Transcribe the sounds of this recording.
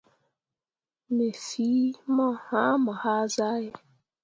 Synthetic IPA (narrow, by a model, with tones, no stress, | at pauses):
me˨si˨˦mɔ˦ha˦mɔ˨ha˦za˦ɣɪ˦